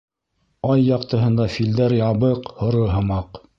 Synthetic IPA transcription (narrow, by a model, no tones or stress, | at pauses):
ɑjːɑqt̪ɤ̆ɦɤ̆nd̪ɑfild̪æɾjɑβɤqhŏɾoɦɤ̆mɑq